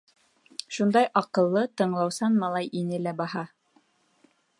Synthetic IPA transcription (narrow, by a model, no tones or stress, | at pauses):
ʃund̪ɑjʔɑqɤ̆lˠːɤt̪ɤ̆ɴlˠɑwsɑnmɑlˠɑjʔinɘlæbɑhɑ